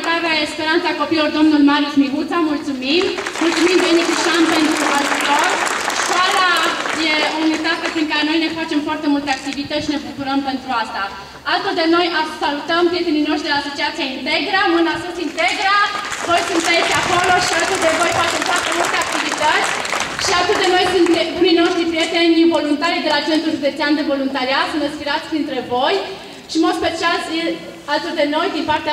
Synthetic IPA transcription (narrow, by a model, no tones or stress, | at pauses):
t̪avɛːspeɾant͡s̪ʰakɔpiɔɾd̪ɔmnulmaɾit͡ʃmiɦut̪ʰamult͡suminmult͡suminb̪ɛnikiʃampɛnt̪uɦalut̪ɔɾʃaɾajeunit̪apəsiŋkanɔjnɛkʰɔt͡ʃəmpʰɔɾt̪ɛmɔlt̪ʰak̚t̪ivit̪əʃnɛppʰuɾəmpɛnt̪ɾuast̪a | alt̪ɔd̪ɛnɔjapsalut̪əmt̪it̪ʰɛninɔʃd̪ɛasut͡ʃat͡sʰaint̪ɛɡɾamunasɔt̪ʰint̪ɛɡɾavo̞jsunt̪eet̪ʲeako̞lo̞ʃialt̪od̪evo̞jfat͡ʃemfoart̪emult̪e̞ak̚t̪ivit̪ət̪sʲ | ʃialt̪ud̪eno̞jsunt̪ed̪umino̞ʃt̪ɾipɾije̞t̪enʲivo̞lunt̪aɾid̪e̞lat͡ʃe̞nt̪ɾuʒud̪et̪siand̪evo̞lunt̪aɾiat̪sund̪espiɾat̪sʲpɾint̪ɾevo̞j | ʃimot̪spet͡ʃialse | alt̪od̪eno̞jd̪inpart̪ea